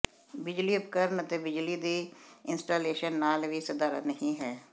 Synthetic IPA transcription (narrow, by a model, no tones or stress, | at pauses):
bɪd͡ʒliːəpkəɾnət̪eːbɪd͡ʒliːd̪iːɪnsʈaːleːʃənːaːlʋiːsəd̪aːɾə̰t̪nəɦĩːɦɛː